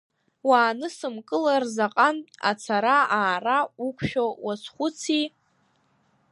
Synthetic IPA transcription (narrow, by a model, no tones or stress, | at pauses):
waːnɨsɨmkʼɨlarzaqʼana̰t͡sʰaɾaaːraukʷʰʼʃᶣowasχʷʊt͡sʰi